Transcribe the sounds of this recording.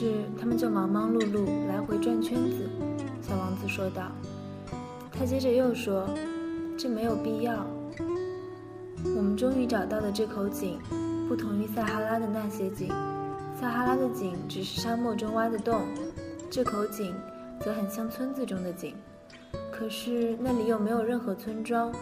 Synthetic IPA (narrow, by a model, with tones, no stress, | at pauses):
ʂɻ̩˥˩t̪ʰa˥mə˨nt͡ɕjo˥˩ʊmɑ˧˥ŋmɑ˥ŋlu˥˧lu˥˩la˧˥ɪxwe˧˥ɪʈ͡ʂwa˥˧nt͡ɕʰɥɛ˥nd͡zɹ̩˨˩ɕjɑ˨˩ʊwɑ˧˥ŋt͡sɹ̩˧ʂwɔ˥t̪ɑ˥˩ʊ | t̪ʰa˥t͡ɕjɛ˥ʈ͡ʂə˨˩jo˥˩ʊʂwɔ˥ʈ͡ʂɤ˥˩me˧˥ɪjo˨˩ʊpi˥˧jɑ˥˩ʊ | wɔ˨˩mə˦nʈ͡ʂʊ˥ŋy˧˥ʈ͡ʂɑ˨˩ʊt̪ɑ˥˩ʊd̪ə˩ʈ͡ʂɤ˥˩kʰo˧˥ʊt͡ɕi˨˩˦ŋpu˥˩t̪ʰʊ˧˥ŋi˥˧sa˥˩xa˥la˥d̪ə˨na˥˩ɕjɛ˥t͡ɕi˨˩˦ŋ | sa˥˩xa˥la˥d̪ə˨t͡ɕi˨˩˦ŋʈ͡ʂɻ̩˨˩ʂɻ̩˥˩ʂa˥mwɔ˥˩ʈ͡ʂʊ˥ŋwa˥d̪ə˨t̪ʊ˥˩ŋʈ͡ʂɤ˥˩kʰo˧˥ʊt͡ɕi˨˩˦ŋ | t͡sɤ˧˥xə˨˩nɕjɑ˥ŋt͡sʰwə˥nd͡zɹ̩˨˩ʈ͡ʂʊ˥ŋd̪ə˨t͡ɕi˨˩˦ŋ | kʰɤ˨˩ʂɻ̩˥˧na˥˩li˨˩jo˥˩ʊme˧˥ɪjo˨˩ʊɻə˥˩nxɤ˧˥t͡sʰwə˥nʈ͡ʂwɑ˥ʊ